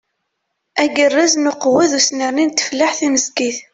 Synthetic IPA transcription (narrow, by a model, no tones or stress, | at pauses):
æɡərːaznʊqːwæðusnəɾnint̪ːə̥flːaħθiməskiθ